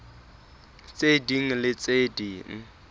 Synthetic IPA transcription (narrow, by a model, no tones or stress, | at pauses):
t͡sʼediŋ̩lɪt͡sʼediːŋ̩